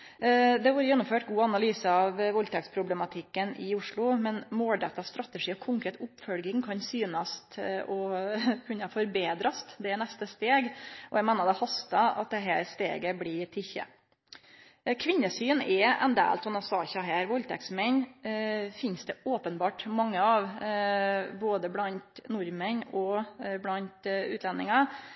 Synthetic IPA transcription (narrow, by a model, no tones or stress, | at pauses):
d̪ɛʋuːɾəjɛnːʊmføːʈɡuːɑnɑlyːsəɑʋʋɔlt̪ʰɛkspʰɾʊblɛmɑt̪ʰɪkːənʔɪʊʂɭʊmɛnmoːlɖ̪ɛt̪ːɑst̪ɾɑt̪əʂiːɔkʰʊŋkʰɾɛːt̪ʊpfœlɡɪŋkʰɑnsyːnɑst̪ɔkʰʉnːəfɔɾbeːd̪ɾɑst̪d̪ɛɛnɛst̪əst̪eːɡʔɔjæmæːnəd̪ɛhɑst̪ɑɑ̰t̪̚d̪ɛɦæ̰ːɾst̪ḛːɡəblɪt̪ʰɪçə̰ | kʰʋɪnːəsyːnɛɛ̰nd̪æ̰ːlt̪sɔmɑsɑːçɑɦæːɾʋɔlt̪ʰɛ̰ksmɛn | fɪnsd̪ɛoːpənbɑːʈmɑŋːəɑʋ | boːd̪əblɑnt̪nʊɾmənɔblɑnt̪ʉ̰ːlɛnɪŋɑ